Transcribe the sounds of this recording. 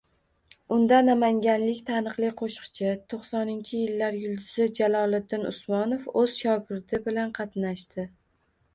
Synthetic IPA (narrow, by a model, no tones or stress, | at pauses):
ʊnd̪anamaŋɡʲanlɪkʲt̪ʰanɨqlˠɪqʰoʃqt͡ʃʰɪt̪ʰoχsɒnɪnt͡ʃʰɪjɪlːaɾjʊlˠd̪ɪz̥ɪd͡ʒalɒlˠɪd̪ːɪnʊ̰smɒnofɵz̥ʃɒɡʲɪɾd̪ɪbɪlanqʰɑt̪naʃt̪ɪ